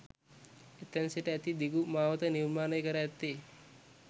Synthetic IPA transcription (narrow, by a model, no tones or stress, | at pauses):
et̪ːɐnseʈəɛt̪id̪iɡumaːʋət̪əniɾmaːnəjkəɾaɛt̪ːeː